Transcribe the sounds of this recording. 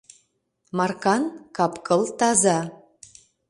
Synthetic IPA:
mɑrkɑnkɑpkɤ̆lˠt̪ɑzɑ

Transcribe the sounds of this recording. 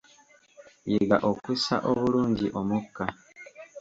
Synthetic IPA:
jeɡaʔo̞kusa̰ʔo̞βuluːɲɟiʔo̞mukːa

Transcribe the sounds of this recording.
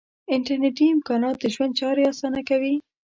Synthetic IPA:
ɪɳʈaɾneʈiɪmkɑnɑt̪̚d̪əʒwand̪̚t͡ʃɑɾeɑsɑnakawi

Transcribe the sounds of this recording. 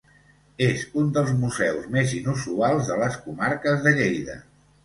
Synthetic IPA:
ezund̪əlˠzmuzɛwzmezinusualˠzðələskumaɾkəzðəʎejðə̰

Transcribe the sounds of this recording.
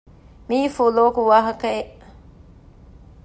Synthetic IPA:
miːfuloːkuʋaːɦɐkɐeʔ

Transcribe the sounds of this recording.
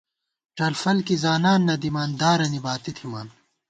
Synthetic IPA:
ʈɐlfɐlkizaːnaːnːɐd̪imaːnd̪aːɾɐnibaːt̪it̪ʰimaːn

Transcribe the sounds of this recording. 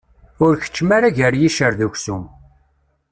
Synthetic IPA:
ʊɾçə̥t͡ʃːmaɾaʝəɾjiʃəɾðuçsum

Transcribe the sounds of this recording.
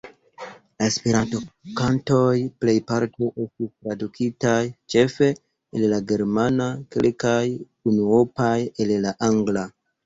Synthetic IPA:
laespeɾanto̞kanto̞jple̞jpaɾto̞ʔe̞stistɾadukʰitajt͡ʃe̞fe̞ | ellaɡe̞ɾmanakḛlkaj | unuopajellaʔaŋɡla

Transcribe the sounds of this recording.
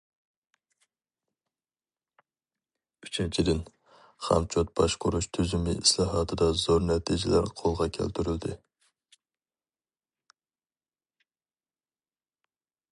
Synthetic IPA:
yt͡ʃʰɛnt͡ʃʰid̪ɪn | χɑ̰mt͡ʃʰot̪̚bɑʃqʰʊɾuʃt̪ʰyzymɪislˠɑːɦɑːt̪ʰɨd̪ɑzoɾnɛt̪ʰid͡ʒɪlæɾqʰolˠʁɑkʲʰæ̰lt̪ʰyɾyld̪ɪ

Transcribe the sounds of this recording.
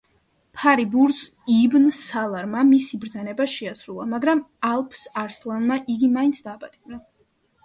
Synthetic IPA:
pʰaɾibuɾzibnsalˠaɾmamisibɾd̪zanɛbaʃɛasɾulˠamaɡɾamalˠpʰsaɾslˠanmaʔiɡimaint̪sʰd̪aːpʼat̪ʼibna

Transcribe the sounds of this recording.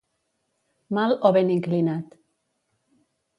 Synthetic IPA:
malɔβeneŋklinat̪

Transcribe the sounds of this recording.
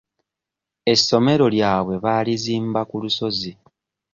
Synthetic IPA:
e̞sːo̞me̞ɾo̞ljaːβwe̞βaːliziːmbakuluso̞zi

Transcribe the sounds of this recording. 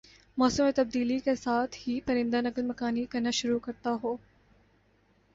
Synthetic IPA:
mɔːsumet̪ɐb̚d̪iːlikesaːt̪ʰhipɐɾɪ̃nd̪anɐkəlmɐkaːnikɐɾnaʃʊɾukɐɾt̪aɦoː

